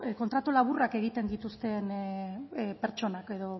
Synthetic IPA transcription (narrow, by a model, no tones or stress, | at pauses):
ko̞nt̪ɾat̪ulaβurake̞ɣit̪e̞nd̪it̪ust̪e̞n | pe̞ɾt͡ʃo̞nake̞ðo̞